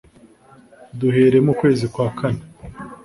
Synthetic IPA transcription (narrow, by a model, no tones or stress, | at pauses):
duhe̞ːɾe̞mukwe̞ːzikwaːkʰane